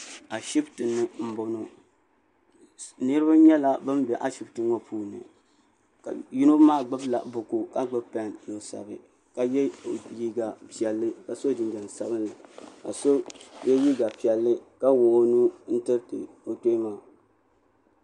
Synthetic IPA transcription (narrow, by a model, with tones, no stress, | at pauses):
a˨ʃi˦btɨ˨nːɨ˨m̩˦bo˨no˦ | nɨ˦ɾɨ˦ba˦ɲɛ˦la˦bɨ˦mbɛ˨ʔa˨˦ʃi˨˦btɨ˦ŋɔ˦pʰuː˦˨nɨ̰˨ | ka̰˨ji˦no˦maː˦˨ɡ͡bɨ˦bla̰˨bʊ˨ku˦ka˦ɡ͡bɨ˦bpa˦njo˦sa̰˨bɨ̰˨ | ka˨jɛ˦˨ji˦ɡa˨pi˨ɛ˨lːɨ˦ka˨so˦dɨ˨nd͡ʒɛ˨n˨sa˦bɨ˦nːɨ˨ka̰˨so˦jɛ˦ji˦ɡa˨pi˨ɛ˨lːɨ˦ka˦wo˨o˦nu˦n̩˦tɨ˦btɨ̰˨ | o˨te˦maː˨